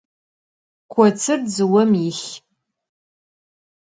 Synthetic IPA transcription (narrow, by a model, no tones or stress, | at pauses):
kʷʰɔt͡sʰɨrd͡zɨwɐmixʲ